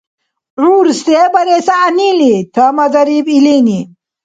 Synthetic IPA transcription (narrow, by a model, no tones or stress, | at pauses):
ruːɾst̪ebɐɾesaːnilit̪ʰəmɐzɐɾibilini